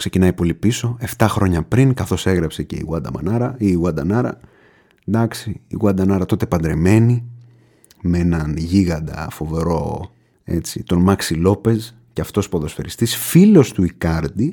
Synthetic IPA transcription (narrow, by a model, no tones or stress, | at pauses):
kse̞cinɐjpo̞lipiso̞e̞ft̪ɐxɾo̞ɲɐpɾiŋkɐθo̞se̞ɣɾɐpse̞ce̞̰ḭɣwɐd̪ɐ̰mɐ̰nɐɾɐiɣwɐd̪ɐnɐɾɐ̰ | d̪ɐksiːɣwɐd̪ɐnɐɾɐt̪o̞t̪e̞pɐnd̪ɾe̞me̞ni | mee̞nɐnʝiɣɐd̪ɐ̰fo̞ve̞ɾo̞ | e̞̰t͡sit̪o̞nmɐksilo̞pe̞z | ceɐft̪o̞spoðo̞sfe̞ɾist̪isfilo̞st̪uikɐɾd̪i